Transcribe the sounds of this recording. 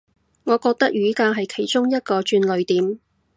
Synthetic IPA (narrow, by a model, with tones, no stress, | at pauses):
ŋɔː˨˧kɔː˧k̚t̪ɐ˥k̚jyː˨˧˥kaː˧ɦɐ˨jkʰe˨˩jt͡ʃʊ˥ŋjɐ˥t̚kɔː˧t͡ʃyː˧nlɵ˨˧ɥt̪iː˨˥m